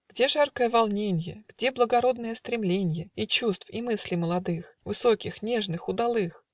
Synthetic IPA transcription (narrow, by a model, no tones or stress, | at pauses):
ɡ̥dʲe̞ʐarkəjəvɐlˠnʲenʲɪjə̰ɡ̥dʲe̞blˠəɡɐɾo̞d̪nəjəst̪ɾʲɪmlʲenʲɪjəit͡ɕust̪fimɨsʲlʲɪməlˠɐd̪ɨx | vɨsokʲɪxnʲe̞ʐnɨxʊd̪ɐlˠɨx